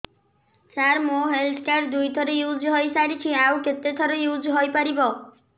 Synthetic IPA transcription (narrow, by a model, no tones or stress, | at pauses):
t͡ʃaɾmoɦeldʰkaɾd̪ujt̪ʰɔɾejud͡ʒɦojsaɾit͡ʃʰiawket̪et̪ʰɔɾejud͡ʒɦojpaɾibɔ